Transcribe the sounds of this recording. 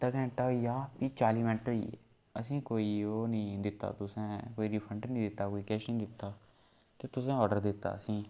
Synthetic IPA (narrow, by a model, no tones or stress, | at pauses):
t̪əɡɛ̃ɳʈaːiːjaːpiːt͡ʃaːliːmɪnəʈɦoːḭːḛː | əs̬ĩːkoːiːoːnĩːd̪ɪt̪ːa̰ːt̪ʊsɛ̃ːkoːiːɾiːpʰəɳʈnĩːd̪ɪt̪ːaːkoːiːkɛːʃnĩːd̪ɪt̪ːaː | t̪eːt̪ʊsɛ̃ːɔːɖəɾd̪ɪt̪ːa̰ːəsĩː